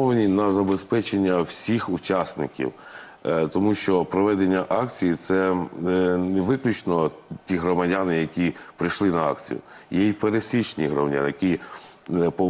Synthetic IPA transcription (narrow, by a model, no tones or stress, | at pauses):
ɔʋenʲinɐzɐbespɛt͡ʃenʲːɐwsʲixut͡ʃɑsnɪkʲḭw | t̪ɔmuʃt͡ʃɔpɾɔʋɛd̪enʲːɐʔɑkt͡sʲijit̪sɛ | neʋɪklʲut͡ʃnɔtʲiɦɾɔmɐdʲanɪjɐkʲipɾɪjʃlˠɪnɐɑ̰kt͡sʲḭjʊ̰jɛjipeɾesʲit͡ʃnʲḭɦɾɔ̰mɐdʲa̰njɐkʲi | pɔ